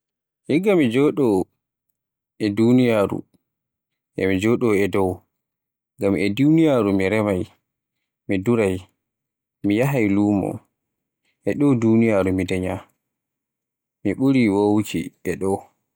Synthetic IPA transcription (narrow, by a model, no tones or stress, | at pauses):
hiɡamid͡ʒɔɗɔ | ʔɛdunijaːɾṵ | ʔɛ̰mid͡ʒɔɗɔɛdɔw | ɡamɛdunijaːɾumiɾɛmaj | miduɾaj | mijaɦajluːmɔ̰ | ʔɛɗɔwdunijaːɾumidɛɲa | miɓuɾiwowt͡ʃḭɛɗɔw